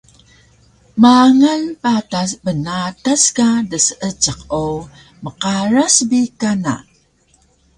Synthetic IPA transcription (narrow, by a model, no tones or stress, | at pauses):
maŋalpatasbənataskadəsəʔət͡ʃəqo | məqaɾasbikana̰